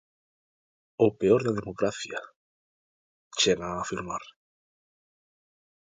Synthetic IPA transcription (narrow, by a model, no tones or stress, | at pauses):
opeoɾðaðemokɾaθja | t͡ʃeɣaːfilmaɾ